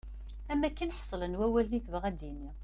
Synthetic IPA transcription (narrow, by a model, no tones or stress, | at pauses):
æmːækːənħsˤlənwæwælniθvʁæd̪iniʁ